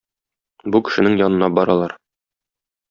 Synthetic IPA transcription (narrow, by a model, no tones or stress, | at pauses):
bukɘ̥̆ʃɘ̆nɘŋjɒnɤ̆nɑbɒɾɑlˠɑɾ